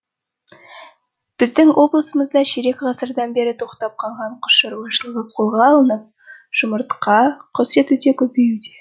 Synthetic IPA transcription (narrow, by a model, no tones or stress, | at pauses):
b̥ɪzd̪ɪŋwo̞blˠəsəməzd̪ɑʃeɾekʁɑsəɾd̪ɑnbeɾɪt̪ʰo̞qt̪ɑp̚qʰɑlˠʁɑɴqʰʊ̥sʃɑɾmɑʃəlˠəʁəqʰolˠʁɑːlˠənəp̚ | ʒ̥ʊməɾt̪qɑqʰose̞t̪ud̪ekʲʰɵpejud̪e